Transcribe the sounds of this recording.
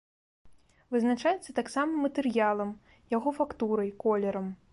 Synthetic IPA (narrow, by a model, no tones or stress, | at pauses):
vɨznat͡ʂajɛt̪sɐt̪aksamɐmɐt̪ɨɾjalˠɐm | jaɣɔfakt̪uɾɐjkɔlʲɛɾɐm